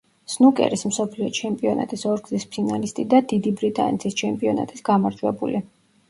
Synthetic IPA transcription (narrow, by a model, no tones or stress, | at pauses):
snukʼɛ̰ɾismsɔpʰliɔt͡ʃʰɛmpʼiɔna̰t̪ʼisɔɾɡzispʰinalist̪ʼid̪ad̪id̪ibɾit̪ʼa̰nɛ̰t̪ʰist͡ʃʰɛmpʼiɔna̰t̪ʼisɡ̥amaɾd͡ʒ̪ʰwɛbṵli